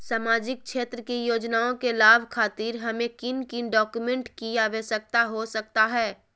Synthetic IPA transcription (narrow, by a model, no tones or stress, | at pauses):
saːmaːd͡ʒɪk̚ʃeːt̪ɾəkijoːd͡ʒnaːõkelaːbʱkʰaːt̪iːɾɦɐmẽkɪnkɪnɖɔːkumẽɳʈkijaʋesək̚t̪aɦosɐk̚t̪aɦɛː